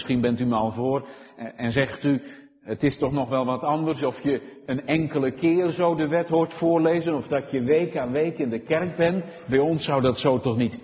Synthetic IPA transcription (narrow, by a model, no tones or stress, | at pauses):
sχinbɛntymaːlˠvʊːr | ɛnzɛχty | ətɪstɔχnɔχʋɛlˠʋɑtɑndərsɔfjəənɛŋkələkɪːrzowdəʋɛtɦʊːrtfʊːrlejzənɔfdɔtjəʋejkaːnʋejkɪndəkɛrk̚bɛn | bɛjɔnsːawdɑtsowtɔχnit